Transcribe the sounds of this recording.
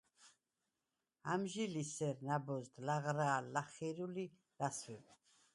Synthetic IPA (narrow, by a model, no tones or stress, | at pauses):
amʒilisɛɾnabɔzd̪laʁɾaːlːaχiɾuli | laswɛb